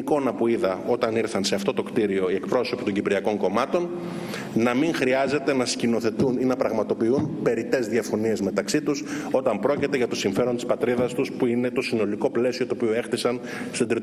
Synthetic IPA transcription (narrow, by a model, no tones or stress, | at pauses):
ko̞nɐpuiðɐo̞t̪ɐniɾθɐnse̞ɐft̪o̞t̪o̞kt̪iɾio̞iekpɾo̞so̞pi̥t̪o̞ɲɟipɾiɐko̞ŋko̞mɐt̪o̞n | nɐmiŋxɾiɐze̞t̪e̞nɐscino̞θe̞t̪uninɐpɾɐɣmɐt̪o̞piunpe̞ɾit̪e̞zðiɐfo̞nie̞zme̞t̪ɐksit̪uso̞t̪ɐmpɾo̞cit̪e̞ɣʝɐt̪o̞siɱfe̞ɾo̞nt̪i̥spɐt̪ɾiðɐst̪uspuine̞t̪o̞sino̞liko̞ple̞sio̞t̪oːpioe̞xt̪isɐn | st̪od̪ɾi